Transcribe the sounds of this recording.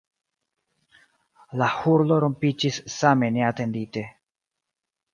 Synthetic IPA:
lahuɾlo̞ɾompid͡ʒisːame̞ne̞ate̞ndite̞

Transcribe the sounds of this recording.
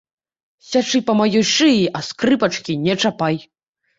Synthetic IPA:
sʲat͡ʂɨpɐmajɔjʂɨiʔɐskɾɨpɐt͡ʂkʲinʲɛt͡ʂapaj

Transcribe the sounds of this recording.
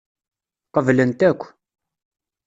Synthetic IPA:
qəvlənt̪ækʷː

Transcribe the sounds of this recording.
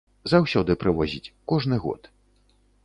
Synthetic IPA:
zawsʲɔd̪ɨpɾɨvɔzʲit͡sʲkɔʐnɨɣɔ̰t̪

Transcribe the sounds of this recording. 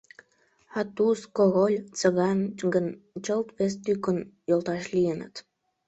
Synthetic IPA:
ɑt̪uskoɣolʲt͡sə̆ɣɑnɡənt͡ɕəlt̪βest̪ykənjolt̪ɑʃlijənə̰t̪

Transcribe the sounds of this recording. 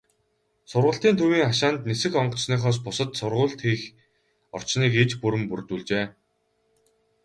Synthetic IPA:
sʊrʁʊ̆ɬt̪iːnt̪ʰuwiːŋaʃaːnt̪nesɘ̆xɔɴɢɞ̆t͡sniːχɔːs̬pʊsə̆t̪sʊrʁʊːɮt̪xiːx | ɔ̰r̥t͡ɕniːket͡ɕpuɾɘ̆mpurt̪uːɮt͡ɕeː

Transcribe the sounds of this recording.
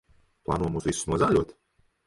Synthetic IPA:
plˠɑ̰ːnuɔjmuzvʲisu̥nuɔzaːlʲuɔt̪

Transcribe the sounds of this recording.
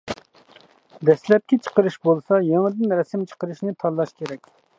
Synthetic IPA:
d̪ɛslɛp̚kʲɛt͡ʃʰə̥qəɾɨʃbolˠsɑjeŋd̪ɪnɾɛsɪmt͡ʃʰə̥qəɾɨʃnɪt̪ʰɑlˠːɑʃkʲʰeɾɛk̚ʲ

